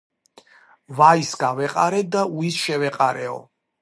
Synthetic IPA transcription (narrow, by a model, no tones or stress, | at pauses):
vaisɡavɛqʼaɾɛd̪auisʃɛvɛqʼaɾɛɔ̰